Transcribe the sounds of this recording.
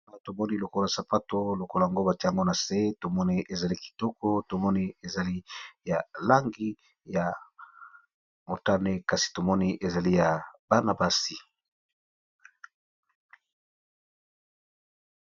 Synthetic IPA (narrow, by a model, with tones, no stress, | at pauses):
a˨to˨mɔ˦ni˦lo˨ko˦la˨sa˨pa˦to˦lo˨ko˦la˨a˨ŋɡo˦ba˨ta˨ŋɡo˦na˨se˦to˨mɔ˦ni˦ʔe˨za˨li˦ki̥˨tɔ˦kɔ˦to˨mɔ˦ni˦e˨za˨li˦ja˨la˦ŋɡi˦ | ja˨ | mo˨ta˦ne˦ka˨si̥˨to˨mɔ˦ni˦ʔe˨za˨li˦ja˨ba˦ʁna˨ba˦si˨